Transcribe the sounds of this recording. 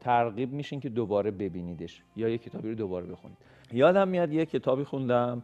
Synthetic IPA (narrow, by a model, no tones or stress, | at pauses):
t̪ʰæɾɣiːb̚miːʃiŋcʰe̞d̪obɒːɾe̞be̞biːniːd̪e̞ʃ | jɒːjecʰe̞t̪ʰɒːbiːɾod̪obɒːɾe̞be̞xṵniːd̪̥ | jɒːd̪æmːijɒd̪jecʰe̞t̪ʰɒːbiːxund̪æm